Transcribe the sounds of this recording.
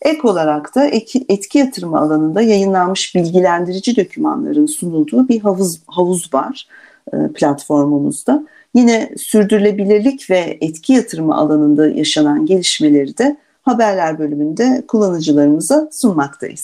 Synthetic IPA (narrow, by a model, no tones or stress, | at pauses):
ɛko̞lˠaɾakt̪ʰaɛt̪cʰijat̪ʰɯɾmaːlˠanɯnd̪ajajɯnlˠanmɯʃbilʲɟilʲænd̪iɾid͡ʒid̪o̞cʰyma̰nlˠa̰ɾɯnsunulˠd̪uːbiɦavzɦavuzvaɾ̥ | ɯ̰pʰlʲat̪fo̞ɾmumṵzd̪a | jinɛsyɾd̪yɾylʲe̞bilʲiɾlʲicvɛɛt̪cʰijat̪ʰɯɾma̰ʔa̰lˠanɯnd̪ajʔa̰ʃananɟe̞lʲiʃme̞lʲe̞ɾid̪ɛ | habæɾlʲæɾbø̞lʲymynd̪ɛkʰulˠːanɯd͡ʒɯlˠaɾɯmɯzasunmakt̪ʰa̰jḭz